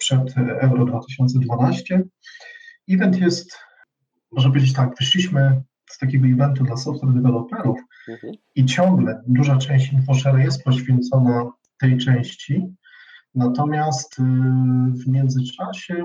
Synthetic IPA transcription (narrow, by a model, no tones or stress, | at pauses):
pʂɛt̪ɛwɾɔd̪vat̪ɘɕɔnt̪sɛd̪vanaɕt͡ɕɛ | ivɛnt̪jɛst̪ | mɔʐnɛpɔvjed͡ʑeɪt͡ɕ̬t̪ak̚pvɨʂlʲiɕmɘ | st̪akʲɛɡɔivɛnt̪ud̪lasɔft̪wɛɾd̪ɛvɛlɔpɛɾuf | it͡ɕɔŋɡlɛd̪uʐat͡ʂɛ̃w̃ɕt͡ɕinfɔʂɛɾajɛst̪̚pɔɕfʲjɛnt̪sɔna | t̪ɛjt͡ʂɛ̃w̃ɕt͡ɕi | nat̪ɔmʲjast̪ | vmʲjɛnd̪zɘt͡ʂaɕɛ